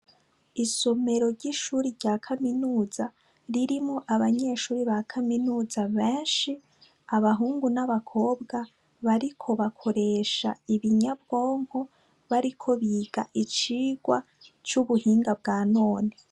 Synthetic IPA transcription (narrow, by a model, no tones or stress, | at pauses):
iso̞me̞ɾo̞ɾɟiʃuːɾiɾɟaːkʰaminuːza | ɾiɾimŋoʔaβaɲe̞ʃuːɾiβakʰaminuːzaβeːnʃi | aβaɦuːŋɡunaβakʰo̞ːbɡa | βaɾikʰo̞βakʰo̞ɾe̞ːʃa̰iβiɲabɡo̞ːŋ̥ho | βaɾikʰo̞βiːɡ̥a̰ʔit͡ʃiːɡ̥wa | t͡ʃuβuhiːŋɡabɡaːnoːni